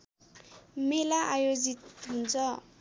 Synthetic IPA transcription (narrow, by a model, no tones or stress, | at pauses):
melaʔajod͡zit̪ɦunt͡sʰʌ